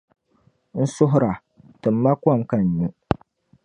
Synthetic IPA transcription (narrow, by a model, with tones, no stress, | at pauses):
n̩˦sʊ˦ɦʊ˦ɾa˨ | tɨ˨m̩ː˦a˦kʷa˦˨mka˦ɲ˨ɲu˦